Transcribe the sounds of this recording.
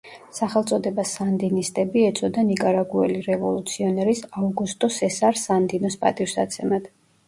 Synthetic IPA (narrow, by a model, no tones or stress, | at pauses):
saχɛlˠt̪sʼɔd̪ɛbasand̪inist̪ʼɛbiɛt̪sʼɔd̪anikʼaɾaɡuɛliɾɛvɔlˠut̪sʰiɔnɛɾisavɡust̪ʼɔsɛsaɾsand̪inɔspʼa̰t̪ʼifsa̰t̪sʰɛmad̪̥